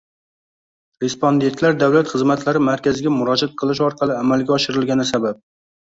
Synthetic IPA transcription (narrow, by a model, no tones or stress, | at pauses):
ɾe̞spond̪e̞nt̪laɾd̪awlat̪χɨzmat̪laɾɪmaɾkʲazɪɡʲamʊɾɒd͡ʒat̪̚qʰɨlˠɪʃ̬ɒɾqʰɑlˠɪamalɡʲaɒʃɪɾɪlɡʲanɪsabap̚